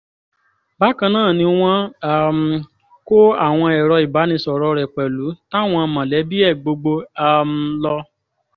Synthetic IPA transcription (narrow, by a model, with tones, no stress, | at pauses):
ba˨˦kã˧nãː˦˨nĩ˧˦w̃ɔ̃˦a˨m̩˨ | ko˦a̰˦˨w̃ɔ̃˧ɛ˨ɾɔ˧i˨ba˨˦nĩ˧sɔ˨ɾɔ˧ɾɛ˨k͡pɛ˨lu˨˦ta˦˨w̃ɔ̃˧mã˨lɛ˨˦bi˦ɛ˦˨ɡ͡bo˧ɡ͡bo˧a˨m̩˧lɔ˧